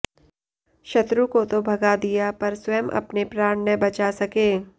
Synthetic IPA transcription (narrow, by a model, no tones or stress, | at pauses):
ʃɐt̪ɾukot̪obʱɐɡad̪ijapɐɾswɛːmʔɐ̰pnepɾaːɳnəbɐt͡ʃasɐkeː